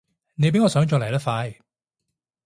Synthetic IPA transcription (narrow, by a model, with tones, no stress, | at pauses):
ne˨˧jpe˨˥jŋɔː˧sœː˨˥ŋt͡ʃɔː˧kle˨˩˨lɐː˥faː˧j